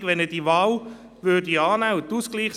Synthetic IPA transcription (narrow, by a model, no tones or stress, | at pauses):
ɡ̥ʋɛnəd̥iʋɑːl | ʋøːdiɑːnæʊtuskliːχs